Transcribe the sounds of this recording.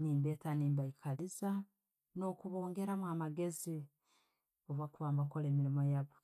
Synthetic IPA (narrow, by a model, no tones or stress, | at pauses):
niːmbeːtaniːmbaikʰaliza | no̞kuβoːŋɡe̞ɾamwaːmaɡe̞zi | ovwakuβaːmbakole̞ːmiɾimojaβo